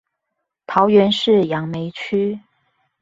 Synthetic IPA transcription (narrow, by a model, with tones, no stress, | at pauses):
t̪ʰɑ˨˧˥ʊɥɛ˧˥nʂɻ̩˥˩jɑ˧˥ŋme˧˦ɪt͡ɕʰy˥